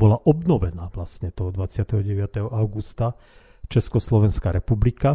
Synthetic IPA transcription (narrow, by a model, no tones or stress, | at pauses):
bɔlaʔɔbnɔʋɛnaːʋlasɲɛt̪ɔɦɔd̪ʋat͡sɪat̪ɛɦɔɟɛʋɪat̪ɛɦɔʔaʊɡust̪a | t͡ʃɛskɔslɔʋɛnskaɾɛpublika